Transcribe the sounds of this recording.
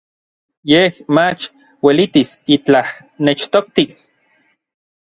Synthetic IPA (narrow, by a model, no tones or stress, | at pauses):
jehmat͡ʃ | welit̪isit͡ɬah | net͡ʃt̪ok̚t̪is